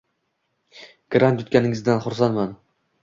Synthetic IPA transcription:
ɡ̥ɾant̪jʊt̪kʲanɪŋɪzd̪anχʊɾs̬anman

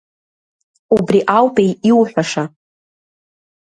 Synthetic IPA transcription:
ubriʔawpʼejiwħᶣʷaʂa

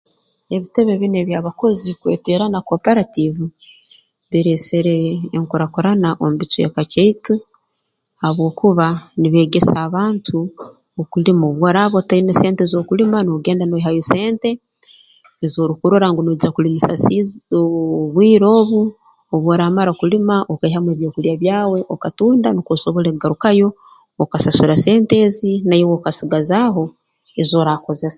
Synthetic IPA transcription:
e̞βite̞βe̞βineβjaːβako̞zikwe̞̰ːteɾanakopeɾativu | βiɾeseɾeːŋkuɾakuɾanaʔombit͡sujekaceitu | aβwo̞ːkuβaniβe̞ːɡe̞saːβaːntʰu | okulimoβwoɾaβotainese̞ːntezo̞ːkulimanoɡe̞ːndanoɦajuse̞ːnte̞ː | zoːɾukuɾo̞ɾaŋɡonod͡ʒiakulimisa̰sioβwiːɾo̞ːβu | oβwoːɾaːmaɾakulimaʔokaihamweβjo̞ːkulijaβjaːwe̞ʔokatuːndanikosoβoleɡaɾukajo̞ː | kasasuɾase̞ːnte̞zinajowokasiɡazaːɦo̞ | ezo̞ːɾako̞ze̞sḁ

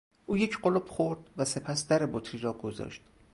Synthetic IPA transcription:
ʔuːjecʰɢolob̥χoɾd̪̚væse̞pʰæsd̪æɾebot̪ʰɾiɾɒːɡ̥ozɒ̰ʃt̪

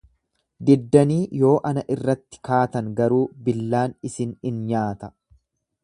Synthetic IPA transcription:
d̪ɪd̪ːɐniːjo̞ːʔɐnɐʔɪrːɐt̪ːɪ̥kaːt̪ɐŋɡɐɾuːbɪlːaːnɪsɪnɪnɲaːt̪ɐ

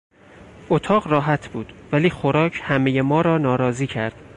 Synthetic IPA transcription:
ʔot̪ʰɒːɢrɒːɦæt̪ʰb̥uːd̪̥væliːxoɾɒːcʰhæmejemɒːɾɒːnɒːɾɒːziːcʰæɾd̪̥

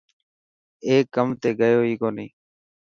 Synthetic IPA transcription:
eːkːəmt̪eːɡəjoːiːkoːnĩː

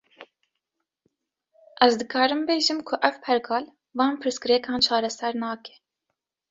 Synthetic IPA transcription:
ʔɛzd̪ɨkʰɑːɾɨmbeːʒɨmkʰʊʔɛvpʰɛɾkʰɑːl | vɑːnpʰɨɾsɡɨɾɛkʰɑːnt͡ʃʰɑːɾɛsɛɾnɑːkɛ̥

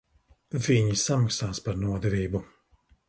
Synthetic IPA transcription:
viɲisamakst̪aːspaɾnuɔd̪ɛviːbu

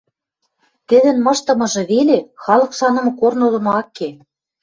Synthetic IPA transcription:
t̪ɘ̆d̪ɘ̆nmɤ̆ʃt̪ɤ̆mɤ̆ʒɤ̆βelexɑlɤ̆kʃɑnɤ̆mɤ̆kornolɤ̆noɑkːe

